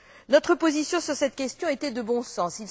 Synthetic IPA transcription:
nɔt̪χəpozisjɔ̃syʁsɛt̪kʲɛst̪jɔ̃et̪ɛd̪əbɔ̃sɑ̃sil

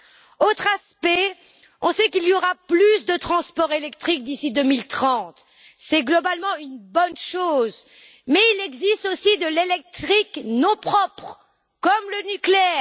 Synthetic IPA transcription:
ot̪χaspɛ | ɔ̃sɛkilioʁaplysd̪ət̪χɑ̃spɔʁelɛk̚t̪χik̚d̪isid̪əmilt̪χɑ̃t̪ | sɛɡlɔbalmɑ̃ynbɔnʃoz | mɛilɛɡzist̪osid̪əlelɛk̚t̪χiknɔ̃pχɔpχ | kɔmlənykleɛːʁ

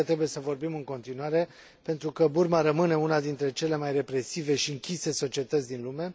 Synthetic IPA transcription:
ət̪ɾe̞buje̞səvo̞rbimɨŋko̞nt̪inuaɾe̞ | pe̞nt̪ɾukəburmaɾəmɨne̞unad̪int̪ɾe̞t͡ʃe̞le̞majre̞pɾe̞sive̞ʃiɨŋkʲise̞so̞t͡ʃie̞t̪ət̪sʲd̪inlume̞

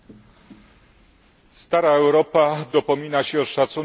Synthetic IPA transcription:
st̪aɾaɛwɾɔpad̪ɔpɔmʲinaɕɛɔʂat̪su

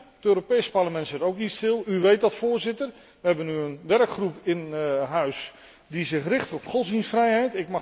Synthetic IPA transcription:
ətøːɾopejsəparləmɛntsɪtowknistɪlˠyʋejt̚dɑtfoːrzɪtər | ʋəɦɛbənyənʋɛrkχrupɪnɦœɥs | dizɪxrɪχtɔpχɔlˠsinsfrɛjɦɛjtɪkmɑ

